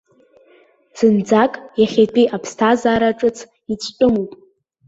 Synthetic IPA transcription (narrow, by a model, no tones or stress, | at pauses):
z̥ɨnd͡zakʼjaχʲetʷʼiʔapʰstʰazaːɾaʈ͡ʂʼɨt͡sʰ | it͡sʷʰʼtʼɨmupʼ